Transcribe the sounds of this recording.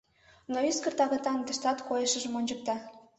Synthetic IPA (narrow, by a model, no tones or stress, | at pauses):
noyskə̆rt̪ɑɣɑt̪ɑnd̪ə̆ʃt̪ɑt̪kojəʃə̆ʒə̆monʲd͡ʑək̚t̪ɑ